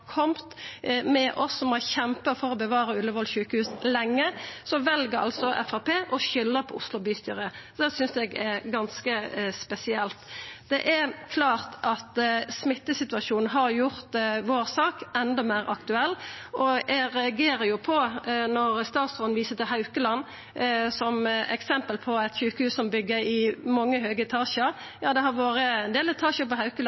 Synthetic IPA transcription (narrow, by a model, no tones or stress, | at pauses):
kʰɔmt̪mɛʔɔsːɔmɔçɛmpəfɔɾɔbəʋɑːɾəʉlːəʋɔlʃʉːkəhʉːslɛŋːəsɔʋɛlɡəɾɑ̰lsɔʔɛ̰fæpeːʔɔɕʏlːəpʰɔʊ̰slʊbyːst̪yːɾəd̪ɛsʏnsɛɡɛɾɡɑnskəspɛsɪɛlt̪d̪̥ɛʔɛɾkʰlɑːʁt̪ʔɑt̪smɪt̪ːəsɪt̪ʉɑʃuːnn̩ɦɑɾjʊɾt̪ʋoːɾsɑːkɛnd̪ɔmæːɾʔɑ̰kt̪ʉɛlːʔɔʔɛɾɛɑɡeːɾəɾjʊpʰɔnɔɾst̪ɑːt̪sɔnʋiːsət̪ɪlhɑʉkəlɑnː | sɔmɛ̰ksɛmpəlpʰɔɛt̪çʉːkəhʉːssɔmbʏɡːəɾɪmɑŋːəɦøːɡəɛt̪ʰɑːʃəɾjɑːd̪ɛhɑɾʋoːɾəɛnd̪eːlɛt̪ʰɑːʃəpɔhɑʉkəl